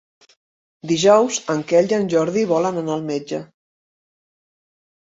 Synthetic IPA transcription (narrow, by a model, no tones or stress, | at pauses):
d̪iʒɔwzəŋkɛʎd͡ʒanʲʒɔɾðiβɔlənənaəlˠmed͡ʒə